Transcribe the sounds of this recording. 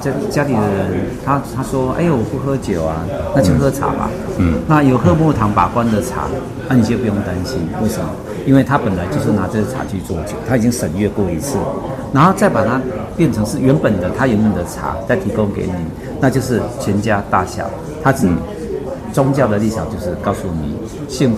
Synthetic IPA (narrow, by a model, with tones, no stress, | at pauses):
t͡ɕt͡ɕja˥li˨˩d̪ə˦ɻə˧˦nt̪ʰa˥t̪ʰa˥ʂwɔ˥ḛ˥˩ɪwɔ˨˩pu˥˩xɤ˥t͡ɕjo˨˩ʊa˨ | na˥˧t͡ɕjo˥˧˩ʊxɤ˥t͡sʰa̰˨˥ba̰˨˦na˥˨jo˨˩ʊxɤ˥˧mu˥˧t̪ʰɑ˧˦˥ŋpa˨˩kwa˦˥nd̪ə˨t͡sʰa̰˨˩˦ | a˧˩ni˨˩t͡ɕjp̬u˧˦jo˥˩ŋt̪a˧nɕi˦nwe˥˩ɪʂə˨nmə̰˩ | i˥nwe˥˩ɪt̪ʰa˦pə˨˩nla˨˧ɪt͡ɕjo˥˧ʊʂ̬ɻ̩˥˩na˧˦t͡sɤ˥˧ɡə˩t͡sʰa̰˨˩t͡ɕʰy˥˧t͡swɔ˥˩t͡ɕjo˨˩ʊt̪ʰa˥i˨˩t͡ɕi˦˥ŋʂə˨˩nɥɛ˥˧kwɔ˥˩i˧˦t͡sʰɹ̩˥˩na˧˥nxo˥˧ʊt͡sa˥˩ɪpa˨˩t̪ʰa˦pjɛ˥˩nt͡sʰɤ˧˦ŋʂɻ̩˥˩ɥɛ˨˧˥npə˨˩nd̪ə˦t̪ʰa˦ɥɛ˧˦npə˨˩nd̪ə˩t͡sʰa̰˨˩˦t͡sa˥˩ɪt̪ʰi˧˥ko˦ŋkḛ˧˥ɪni˨˩˦ | na˥˧t͡ɕjo˥˧ʊʂ̬ɻ̩˥˩t͡ɕʰɥɛ˧˥nt͡ɕja˦˥t̪a˥˩ɕjɑ̰˨˩˦ʊ | t̪ʰa˦˥t͡s̩˨˩ | t͡sʊ˦ŋt͡ɕjɑ˥˩ʊd̪ə˨li˥˩a˨˩t͡ɕjo˥˧ʊʂɻ̩˥˧kɑ˥˧˩ʊsu˥nḭ˨˩ | ɕi˥˧ŋ